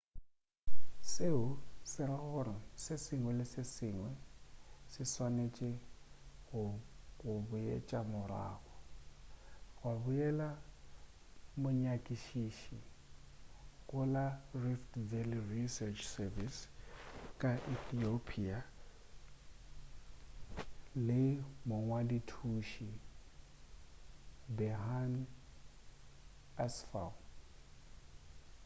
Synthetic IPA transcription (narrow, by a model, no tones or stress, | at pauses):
seʊsɪraɣɔrɔsɪsɪŋwɛlɪsɪsiŋwɛ | sɪswanet͡ʃʼɛ | ɣʊɣʊbʊjḛt͡ʃʼamʊra̰ːɣɔ | ɣwabujɛla | mʊɲakʼiʃiʃi | ɣʼʊlariftvɛlirisɛt͡ʃʰsɛvis | kʼaʔiθiopʰia | lɪmʊŋwaditʰuʃi | bɛɦan | asfa̰